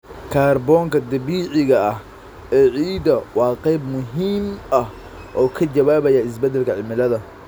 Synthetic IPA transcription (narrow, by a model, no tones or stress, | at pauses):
kʰaːrbɔːŋkʰɐd̪ɐβiːʕɪɣɐɐh | ɛːʕiːd̪ɐwɑːqɛjbmʊɦiːmɐh | ʔɔːkʰɐd͡ʒɐβaːβɐjɐɪs̬bɛd̪ɛlkʰɐʕɪmɪlɐðɐ